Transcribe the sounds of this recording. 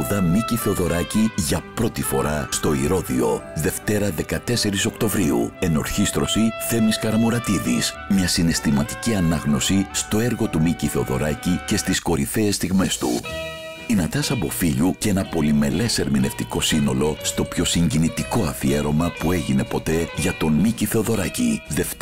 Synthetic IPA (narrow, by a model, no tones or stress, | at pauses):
ðɐmiciθe̞oðo̞ɾɐciʝɐpɾo̞t̪ifo̞ɾɐst̪o̞iɾo̞ðḭo̞̰ðe̞ft̪e̞ɾɐðe̞kɐt̪e̞se̞ɾiso̞kt̪o̞vɾiṵe̞no̞̰ɾçist̪ɾo̞siθe̞miskɐɾɐmoɾɐt̪iðḭs | mɲɐsine̞st̪imɐt̪i̥ciɐnɐɣno̞sist̪o̞e̞ɾɣo̞t̪umiciθeo̞ðo̞̰ɾɐcice̞st̪isko̞ɾiθe̞ːst̪iɣme̞st̪ṵ | inɐt̪ɐsɐpo̞fiʎuce̞nɐpo̞lime̞le̞se̞ɾmine̞ft̪iko̞sino̞lo̞st̪o̞pço̞siɲɟinit̪iko̞ɐfie̞ɾo̞mɐpue̞ʝine̞po̞t̪e̞ʝɐt̪o̞nmiciθe̞oðo̞ɾɐciðef